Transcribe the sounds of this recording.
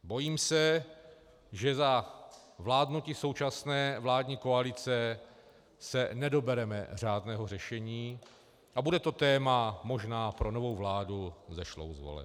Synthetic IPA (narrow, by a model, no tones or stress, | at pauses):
bo̞jiːmsɛ | ʒɛza | vlaːdnuciːso̞wt͡ʃasnɛːvlaːdɲiːko̞alɪt͡sɛ | sɛnɛdo̞bɛɾɛmɛ̰r̝aːdnɛːɦorɛʃɛɲiː | ʔabudɛt̪o̞t̪ɛːmamo̞ʒnaːpɾo̞no̞vo̞wvlaːduzɛʃlo̰wzvo̰lɛ̰